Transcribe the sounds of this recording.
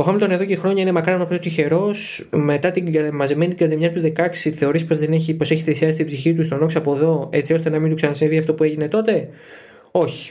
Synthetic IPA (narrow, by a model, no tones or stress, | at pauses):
oxɐmilt̪one̞ðo̞cexɾo̞ɲɐine̞mɐkɾɐɐnopt̪ot̪içe̞ɾo̞s | me̞t̪ɐt̪iɡɐemɐzime̞nit̪iɡɐt̪emɲɐt̪uðe̞kɐksiθe̞o̞ɾispo̞zðe̞neçipo̞se̞çi̥θesiɐsi̥t̪ibziçit̪ust̪o̞no̞ksɐpo̞ðo̞e̞t͡sio̞st̪e̞nɐmind̪uksɐnɐsinviɐft̪o̞pue̞ʝine̞t̪o̞t̪e̞ | o̞çi̥